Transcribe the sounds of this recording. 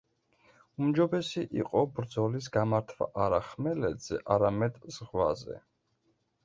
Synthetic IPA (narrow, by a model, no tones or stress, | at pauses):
umd͡ʒɔbɛsiʔiqʼɔbɾd̪zɔlis̬ɡamaɾt̪ʰva̰ʔaɾaχmɛlɛd̪z̥ɛ̰ʔaɾamɛd̪z̥ʁwa̰zɛ̰